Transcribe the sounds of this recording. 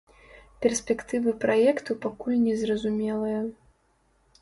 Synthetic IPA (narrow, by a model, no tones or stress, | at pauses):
pʲɛrsʲpʲɛkt̪ɨvɨpɾajɛkt̪upakulʲnʲɛzrɐzumʲɛlˠɐjɐ